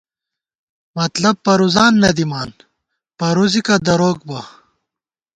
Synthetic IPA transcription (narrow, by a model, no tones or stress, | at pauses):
mɐt̪lɐb̚pɐɾuzaːnːɐd̪imaːn | pɐɾuzikɐd̪ɐɾoːk̚bɐ